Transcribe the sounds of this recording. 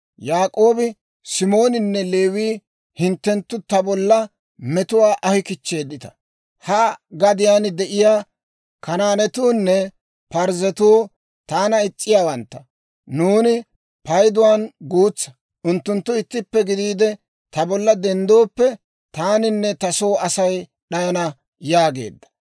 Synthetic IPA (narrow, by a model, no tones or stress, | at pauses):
jaːkʼo̞ːbɪ | sɪmo̞ːnɪnːɛle̞ːwiː | hɪnt̪ːɛnt̪ːʊt̪ɐbɔlːɐ | mɛt̪ʊwaːʔɐhɪkɪt͡ʃːe̞ːd̪ːɪt̪ɐ̥ | hɐɡɐd̪ɪjaːnd̪ɛʔɪjaː | kɐnaːnɛt̪uːnːɛ | pɐɾzɛt̪uː | t̪aːnɐɪt͡sʼːɪjaːwɐnt̪ːɐ | nuːnɪ | pɐjd̪ʊwaːnɡuːt͡sːɐ̥ | ʊnt̪ːʊnt̪ːʊɪt̪ːɪpːɛɡɪd̪iːd̪ɛ | t̪ɐbɔlːɐd̪ɛnd̪oːpːɛ | t̪aːnɪnːɛt̪ɐso̞ːɐsɐj | ɗɐjɐnɐ | jaːɡe̞̰ːd̪ːɐ̥